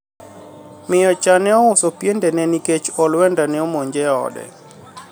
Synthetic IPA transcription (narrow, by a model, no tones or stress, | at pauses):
mɪjɔt͡ʃanɛɔʊsɔpjendɛnɛniket͡ʃɔlwɛndanɛɔmoɲd͡ʒɛɔ̰dɛ̰